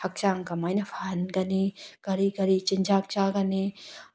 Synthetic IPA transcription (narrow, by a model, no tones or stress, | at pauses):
ɐk̚t͡ʃaŋkɐmajnɐfʰanɡɐnikɐɾiɡɐɾit͡ʃind͡ʒak̚t͡ʃaɡɐni